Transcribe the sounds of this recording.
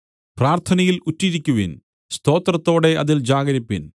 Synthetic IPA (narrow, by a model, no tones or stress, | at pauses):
praːrt̪ʰɐnɐjilutːiɾikʲːuʋin | st̪o̞ːt̪rɐt̪ːo̞ːɽe̞ʔɐðild͡ʑaːɡɐɾipːin